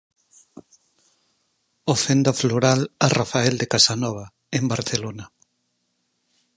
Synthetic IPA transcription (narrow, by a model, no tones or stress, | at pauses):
ofend̪afloɾalarafaɛld̪ekasanɔβ̞a | embaɾθelona